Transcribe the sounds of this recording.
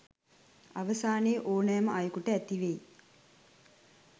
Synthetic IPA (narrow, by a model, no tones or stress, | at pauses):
aʋəsaːneːʔoːnəjməʔajəkuʈəæt̪iʋej